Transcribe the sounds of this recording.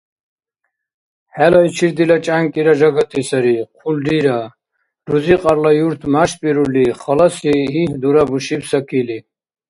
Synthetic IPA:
hɛlait͡ʃʰiɾd̪ilat͡ʃʼaŋkʼiɾaʒaɡat̪ʰisaɾiqʰuldiɾa | ɾuziqʼaɾlajuɾt̪ʰmaʃpʼiɾuliχɔlasiihd̪uɾabuʃibsakʰili

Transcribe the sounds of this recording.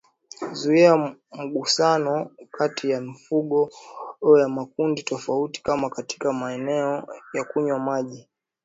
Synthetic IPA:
zuiam̩ɠusanɔkʰatʰijamifuɠɔ | jamakunditɔfauti̥kamakati̥kamaɛnɛɔjakuɲwamaʄi

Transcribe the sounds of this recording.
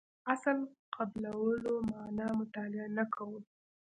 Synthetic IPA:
aslqablawəlomɑnɑmʊt̪ɑlɪanakʰawəl

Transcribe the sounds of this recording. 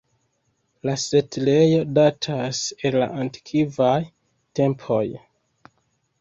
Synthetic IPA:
lasetlejo̞datʰasella̰ʔanti̥kʰivaj | te̞mpʰo̞j

